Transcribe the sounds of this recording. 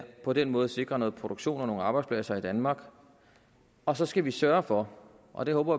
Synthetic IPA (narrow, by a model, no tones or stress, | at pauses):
pʰɒ̽d̥en̰mɔ̽ːð̞ˠse̝ɡ̥ʁɐnɔ̽ːð̞̩ˠpʰʁo̝d̥oɡ̥ɕo̝̰ːnɒno̝ːŋ̩ɑ̈ːb̥ɑ̈ɪdspʰlɛsɐid̥ænmɑ̈ːɡ̥ | ɒ̽sɒ̽sɡ̥æʋisɶːɐfɒ̽ | ʔɒ̽d̥e̝hɔ̽ːb̥ɐ